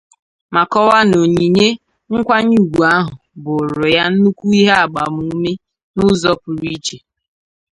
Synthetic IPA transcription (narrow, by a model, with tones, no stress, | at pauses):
ma˨kɔ˦wa˦no˨ɲi˨ɲe˦ | ŋ̩˦kʷa˦ɲu˦˨ɡʷu˨a˦ɦʊ˨bʊ˨ɾʊ˨ja˦n̩˦nu˦kʷu˦i˦ɦe˦a˨ɡ͡ba˨mu˨˦me˦ | nʊ˦zɔ˦pʊ˨ɾi˦t͡ʃe˨